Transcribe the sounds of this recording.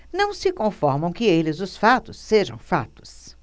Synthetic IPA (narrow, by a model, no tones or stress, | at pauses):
nɐ̃w̃sɪkõfɔɾmɐ̃w̃kɪelɪzʊsfat̪ʊsːeʒɐ̰̃w̃fa̰t̪ʊ̥s